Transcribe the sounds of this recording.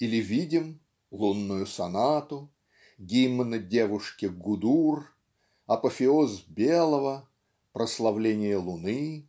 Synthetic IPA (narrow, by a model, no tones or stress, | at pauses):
ilʲɪvʲidʲɪm | lˠunːʊjʊsɐnat̪ʊ | ɡʲimːənədʲevʊʂkʲɪɡʊd̪ur | ɐpəfʲɪozbʲelˠəvə | pɾəslˠɐvlʲenʲɪjəlˠʊnɨ